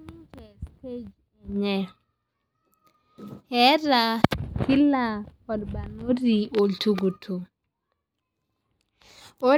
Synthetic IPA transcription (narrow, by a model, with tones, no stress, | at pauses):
n˦d͡ʒɛ˨ste˦d͡ʒ | ɛ˨ɲɛ˨ | ɛ˦ɾa˨ki˦la˦kɔ˨dba˨no˦ɾi˨o˨ltu˦ɡo˨tʰo˨ | o˦